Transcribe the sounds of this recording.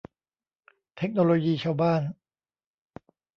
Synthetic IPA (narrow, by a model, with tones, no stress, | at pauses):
t̪ʰe˦˥k̚noː˧loː˧jiː˧t͡ɕʰaː˥˩wbaː˥˩n